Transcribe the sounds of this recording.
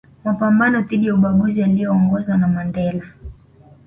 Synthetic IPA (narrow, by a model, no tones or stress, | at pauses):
mapambanɔtiɗijauɓaɡuzialijɔːŋɡɔzwanamandɛla